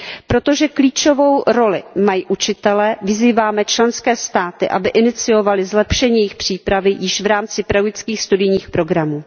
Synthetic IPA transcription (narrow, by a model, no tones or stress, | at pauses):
pɾo̞t̪o̞ʒɛkliːt͡ʃo̞vo̞wɾo̞lɪmajiʔut͡ʃɪt̪ɛlɛvɪziːvaːmɛt͡ʃlɛnskɛːst̪aːt̪ɪʔa̰bɪʔɪnɪt͡sɪo̞valɪzlɛpʃɛɲiːjɛjɪxpr̝̥iːpɾavɪjɪʃvɾaːmt͡sɪpɾaɡɪt͡skiːxst̪udɪjɲiːxpɾo̞ɡɾamuː